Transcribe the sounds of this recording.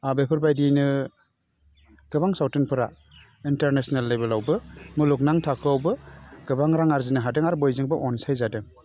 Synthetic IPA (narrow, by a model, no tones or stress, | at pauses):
abepʰɯɾbajdinɯ | ɡ̥ɯbaŋsawtɯnpʰɯɾa̰ | inteɾnesnalːebelawbɯmɯluknaŋtʰakʰɯawbɯɡ̥ɯbaŋɾaŋaɾzinɯɦadɯŋaɾbɔjziŋbɯʔɔnsajzadɯ